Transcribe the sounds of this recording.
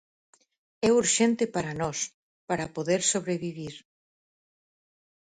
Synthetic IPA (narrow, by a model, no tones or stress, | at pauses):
ɛuɾʃɛnt̪ɪpaɾɐnɔs | paɾɐpoðeɾsoβɾeβiβiɾ